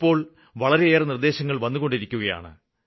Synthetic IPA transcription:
pːo̞ːɭ | ʋɐɭɐɾe̞eːrɨnird̪e̞ːɕɐŋːɐɭʋɐnːuɣo̞ɳɖiɾikʲːuɣɐja̰ːɳɨ̰

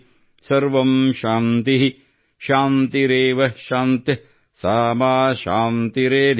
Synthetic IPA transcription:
sɐɾʋɐmʃaːnt̪iɦi | ʃaːnt̪iɾeːʋɐʃaːnt̪jɐ | saːmaːʃaːnt̪iɾeːd̪ʱ

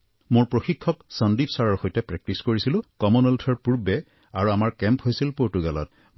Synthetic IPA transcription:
mʊɹpɹoxikʰːɔksəndipsaɹɔɹxojtɛpɹɛk̚tiskoɹisilʊ̃kɔmunɔltʰɔɹpuɹbɛ | aɹuamaɹkɛmphojsilpoɹtuɡalɔ̰t̚

